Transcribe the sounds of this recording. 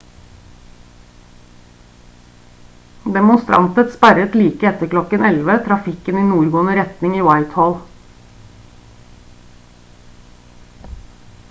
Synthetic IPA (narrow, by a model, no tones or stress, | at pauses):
d̪ɛmʊnst̪ɾɑ̰nt̪ət̪spæɾət̪liːkəɛt̪əklɔkənɛlʋət̪ʰɾɑfɪkəniːnuːɾɡoːnəɾɛt̪nɪŋiːwɑɪt̪hɔl